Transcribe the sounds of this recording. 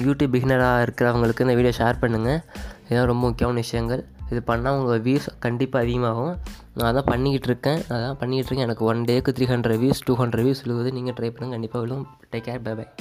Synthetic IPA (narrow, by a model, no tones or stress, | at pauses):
juːʈiːbɪɣɪnɐɾaːɪɾɯkːɪɾɐʋɐŋɡɐɭɯkːɯɪnd̪ɐʋiːɽɪjɐ̃ʂaːɾpɐɳːɯŋɡɐɪðlãːɾɔmbɐmʊkːjɐːʋɐnʋɪʂɐjɐŋɡɐɭɪðɯpɐɳːãːʋɐŋɡɐʋiːskɐɳɖɪpːaːɐðɪɣɐmaːɣʊ̃ | naːðɐðãːpɐɳːɪkːɪʈːɪɾɯkːẽɐððãːpɐɳːɪkɪʈːɾɯkːɛ̃ɛnɐkːɯɔnɖeːɐkːɯt̪ɪɾiːɦɐɳɖɾɐʋiːsʈuːɦɐɳɖɾɐʋiːsɔlːɯʋɐðɯniːŋɡɐʈɾɐɪpɐɳːɯŋkɐɳɖɪpːaːʋɪɭɯ̃ | ʈeːkːaːɾbɐbɐɪ